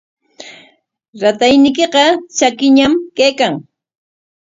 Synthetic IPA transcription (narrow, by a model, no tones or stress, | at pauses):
ɾat̪ajnɪk̬eqɑt͡ʃakɪɲamkajkaŋ